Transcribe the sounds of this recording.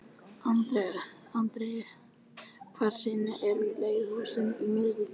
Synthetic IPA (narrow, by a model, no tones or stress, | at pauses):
ant̪ɾɛ | ant̪ɾe | kʰvaɾ̥sɪnɪʔɛɾleːjðhɔːsɪnimɪðvɪ